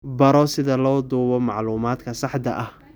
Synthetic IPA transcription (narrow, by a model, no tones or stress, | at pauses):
bɐɾɔsɪðɐlɔːd̪uːβɔmɑ̰ʕluːmaːd̪kʰɐsɑħd̪ɐ̰ʔɐh